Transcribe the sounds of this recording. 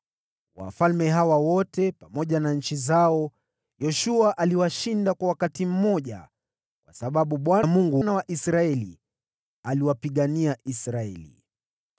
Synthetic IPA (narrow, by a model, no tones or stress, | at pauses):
wa̰falmɛɦawawɔtɛpamɔʄanaɲ̩t͡ʃizaɔ | jɔʃuaʔaliwaʃindakwawakatim̩mɔʄa̰ | kwasaɓaɓuɓwamuŋɡunawaʔisɾaɛlḭ | aliwapiɠaniaisɾaɛlḭ